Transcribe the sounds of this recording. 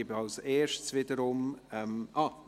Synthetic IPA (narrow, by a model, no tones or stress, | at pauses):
ɪbəɑlseːʃtsvɪdəɾʊmɛmʔɑː